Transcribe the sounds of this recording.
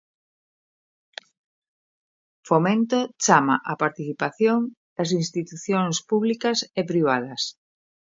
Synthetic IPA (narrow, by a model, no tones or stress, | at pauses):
fomẽnt̪ot͡ʃama̰ʔapaɾt̪iθipaθjoŋ | d̪̥ɐs̬inst̪it̪uθjoŋspuβlikɐsepɾiβ̞að̞ɐs